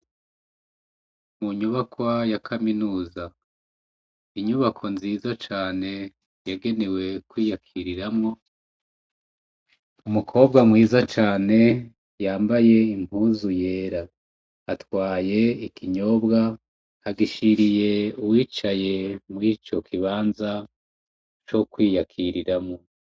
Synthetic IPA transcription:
muɲuβakwajakʰaminuːza | iɲuβakʰo̞nziːzat͡ʃaːne̞ | jaɡe̞ne̞we̞kwiːjakʰiɾiɾamŋo̞ | umukʰo̞ːb̚ɡamŋiːzat͡ʃaːne̞ | jaːmbaje̞im̥huzuje̞ːɾa | atwaːje̞ikʰiɲo̞bɡa | aɡiʃiɾije̞uwiːt͡ʃaje̞muit͡ʃo̞kʰiβaːnza | t͡ʃo̞kwiːjakʰiɾiɾamŋo

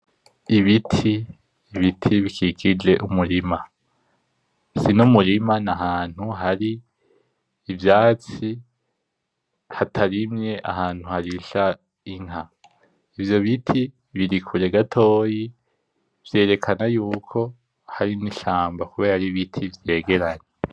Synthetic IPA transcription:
iβitʰiː | βitʰiβikʰiɡid͡ʒe̞ʔumuɾima | sinumuɾimanaɦaːn̥huɦaɾi | vjaːt͡si | hatʰaɾimɲe̞ʔa̰haːn̥huhaɾiʃa | iŋɦa | ivjo̞βitʰi | βiɾikʰuɾe̞ɡatʰo̞ːji | v̥je̞ːɾe̞kʰanajuːkʰo̞ | haɾiniʃaːmbakuβeːɾaɾiβitʰivje̞ːɡe̞ɾaɲe

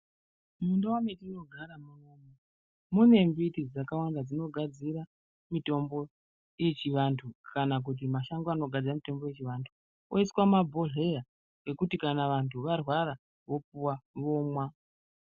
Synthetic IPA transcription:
mundawametino̞ɡʱaɾamunomo | mune̞mbitid͡zakawandad͡zino̞ɡʱad͡ziɾa | mito̞mbo̞ | je̞t͡ʃiʋantʰukʰanak̬ut̬imaʃaŋɡoano̞ɡʱad͡zamito̞mbo̞je̞t͡ʃiʋantʰu | ʔoiswamabʱoɮe̞ja | ɡe̞kutikanaʋantʰuʋarwaɾa | ʋo̞puwaʋo̞mwa

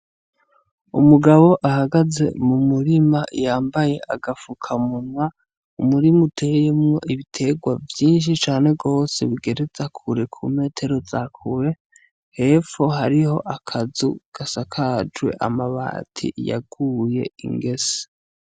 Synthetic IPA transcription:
ṵmuɡaβo̞ʔahaɡaze̞̰mumuɾimaʔjaːmbaje̞ʔaɡafukʰamunwa | umuɾimutʰe̞jemŋo̞̰ʔiβitʰe̞ɡwavjiːnʃ̬it͡ʃaːne̞ɡo̞ːse̞̰βiɡe̞ɾe̞zakʰuɾe̞kʰṵme̞ːtʰe̞ɾo̞zakʰuɾe̞ | he̞ːfo̞ɦaɾiho̞̰ʔakʰazuɡ̥asakʰad͡ʒwe̞̰ʔa̰maβa̰tʰḭja̰ɡ̥uje̞̰ḭŋɡe̞se̥

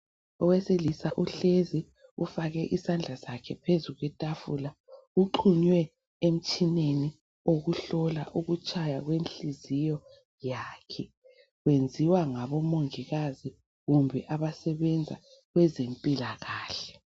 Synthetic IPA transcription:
ɔweselisaʔuɬezi | ufaɣɛʔisand͡ɮʱasakʰɛpʰezuɣwɛtʼafula | uǃʰuɲwɛ | em̩t͡ʃʼineni | oɣuɬɔla̰ʔuɣut͡ʃʼajaɣwenɬizijɔ | jaːkʰɛ | ɣwend͡zʱiwaŋaβɔmoŋiɣazi | ɣumbʱɛʔaβasɛβɛnd͡zʱa̰ | ɣwɛzempʼilaɣaːɬɛ̥

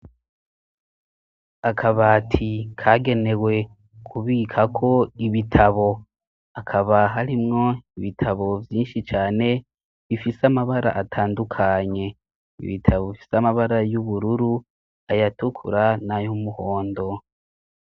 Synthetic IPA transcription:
akʰaβaːtʰikʰaːɡe̞ne̞we̞ | kʰuβiːkʰakʰo̞iβitʰaβo̞ | akʰaβaɦaɾimŋo̞iβitʰaβo̞vjiːnʃit͡ʃaːne̞ | βifisamaβaɾa̰ʔatʰaːndukʰaɲe̞ | ḭβitʰaβoβifi̥samaβaɾajuβuɾuɾu | ajatukʰṵɾanajumuho̞ːndo̞

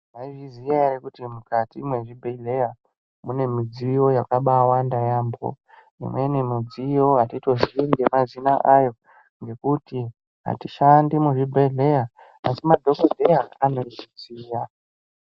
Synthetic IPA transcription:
naiʐizijaerekutimukatimwe̞ʐibʱeiɮe̞ja | mune̞mid͡ziio̞jakaɓawandajaːmbo̰ | ḭmwe̞nemud͡zijo̞ɦatito̞zinɡemazinaʔajo̞ | ŋɡe̞kuti | ɦa̰tiʃandimuʐibʱeiɮe̞ja | asimadʱo̞kodʱejaano̞ʐiziːja

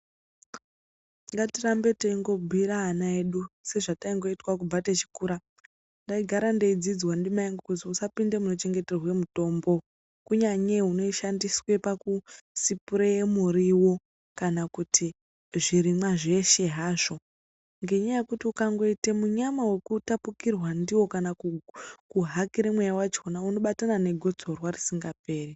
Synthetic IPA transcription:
ŋɡatirambe̞taiŋɡo̞bʱiɾaːnaeɗuse̞ʐataiŋɡo̞itwak̬ubatet͡ʃi̥kuːɾa | ndaiɡʱaɾandeid͡zid͡zwandimaiŋɡokutiusapinde̞muno̞t͡ʃe̞ŋɡe̞te̞rwe̞muto̞ːmbo̞ | kuɲaɲe̞ɦuno̞iʃandiswe̞pakusipuɾejemuriwo̞ | kanakutʰi | ʐiɾimwaʐe̞ʃe̞ɦaːʐo̞ | ŋɡe̞ɲajekutiukaŋɡo̞itemuɲamawe̞kutapukirwandiwo̞kanakukuɦakiɾemwejawat͡ʃonauno̞ɓatanane̞ɡʱo̞t͡so̞rwarisiŋɡap̚e̞ːri

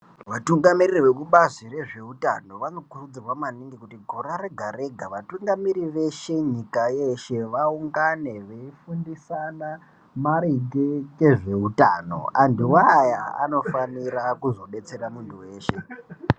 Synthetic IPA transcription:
ʋatuŋɡamiririwe̞kuɓazire̞ʐe̞uta̰no̞ʋano̞kurud͡zirwamaniŋɡikutiɡʱoɾaɾe̞ɡʱaɾe̞ɡʱaʋatuŋɡamiɾiʋe̞ʃe̞ɲikajeʃe̞ʋauŋɡane̞ʋeifundisana | maɾiɡeke̞ʐe̞uta̰ːno̰andiwaja̰a̰no̞faniɾakuzo̞ɓe̞t͡se̞ramuntʰuwe̞ːʃe̞

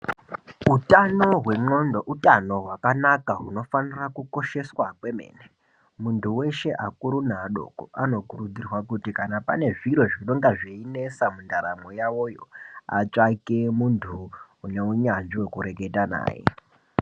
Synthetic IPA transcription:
ɦutano̞ɦwe̞ŋ͡ǃo̞ndoʔutano̞ɦwakanakaɦuno̞fanirakuko̞ʃe̞swakwe̞me̞̰ːne | muntʰuwe̞ʃe̞ʔakuɾunaɗo̞̰koʔano̞kuɾud͡zirwakutikanapane̞ʐiɾo̞ʐiɗoŋɡaʐeine̞samundaɾamojaʋo̞jo̞̰a̰t͡ʂakemuntʰuː | ne̞uɲanʐiwe̞kuɾe̞ɡe̞tana̰ːjḛ

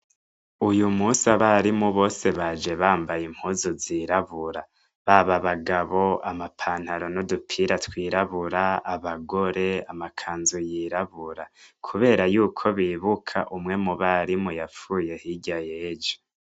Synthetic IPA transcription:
ujumusaβaɾimuβo̞ːse̞βad͡ʒe̞βaːmbajim̥huːzuziːɾaβuɾa | βaβaβaɡaβo̞amapʰaːn̥haɾo̞nodupʰiːɾatwiːɾaβuɾaaβaɡo̞ɾe̞amakʰaːnzujiːɾaβuɾakʰuβe̞ːɾajuːkʰo̞βiːβukʰa̰ʔumŋe̞muβaɾimujafuːje̞hiɟajeːd͡ʒo̥

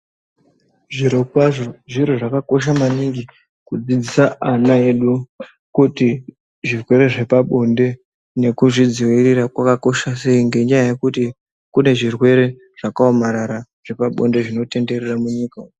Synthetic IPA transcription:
ʐirokaʐoʐiɾoʐakako̞ʃamaniŋɡi | kud͡zid͡zisaʔanae̞ɗu | kuti | ʐirwe̞ɾe̞ʐe̞paɓo̞nde̞ | ne̞kuʐid͡ziwirirakwakako̞ʃase̞iŋɡe̞ɲajajekuti | kune̞ʐirwe̞ɾe̞ | ʐ̥akaomaɾaɾa | ʐ̥e̞paɓo̞nde̞ʐino̞te̞nde̞ɾeramuɲiːka

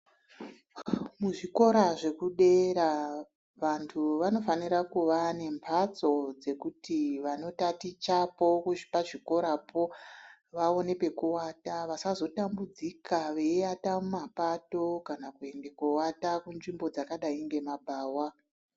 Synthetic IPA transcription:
muʐiko̞ɾaʐe̞kuɗe̞ɾa | ʋantʰuʋano̞fanirakuʋane̞mpʰat͡so̞d͡ze̞kutiʋano̞tatit͡ʃapo̞kuʐi̥paʐiko̞ɾapʰo̞ | ʋao̞ne̞pe̞kuwataʋasazo̞tambud͡zikʰaʋe̞iatamumapato̞kanakue̞ndekuwatakunʐimbo̞d͡zakaɗaiŋɡe̞mabʱaːwa

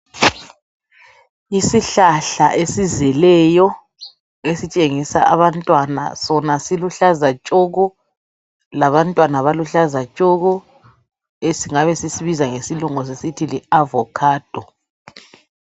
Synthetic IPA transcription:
isiɬaɬaʔesizɛlɛjɔ | esit͡ʃʼeŋisa̰ʔaβantʼwana̰sɔnasiluɬazat͡ʃʼɔɣɔ | laβantʼwanaβaluɬazat͡ʃʼɔɣɔ | esiŋaβɛsisiβizaŋesiluŋɔs̬esitʰiliavɔkʰaːd̥ʱɔ

